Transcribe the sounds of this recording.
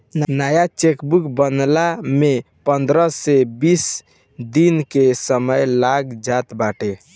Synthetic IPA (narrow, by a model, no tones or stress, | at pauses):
nnajat͡ʃekbukbənlame | pənd̪ɾəsebis | d̪inkesəməjlaɡd͡ʒat̪baʈe